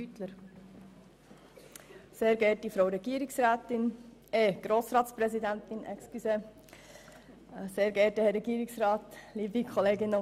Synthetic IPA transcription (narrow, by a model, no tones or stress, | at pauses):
yt̪ləɾ | seːɾɡɛɾtifɾoʊɾɛɡiəɾɪksɾaːt̪ɪneːɡ̥ɾoːsɾɑːtspɾɛsid̪ænt̪ɪnɛ̰kskyse | seːɾɡɛtəhɛɾːɛɡiːɾɪksɾɑːt̪liːbikʰɔleːɡɪnə